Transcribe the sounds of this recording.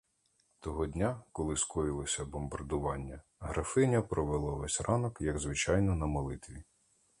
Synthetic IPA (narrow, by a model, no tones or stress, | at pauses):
t̪ɔɦɔdʲnʲakɔlˠɪskɔjilˠɔsʲɐbɔmbɐrd̪ʊʋɑnʲːɐ | ɦɾɐfɪnʲɐpɾɔʋelˠɔʋɛsʲrɑnɔkjɐɡzʋɪt͡ʃɑjnɔnɐmɔlˠɪt̪ʋʲi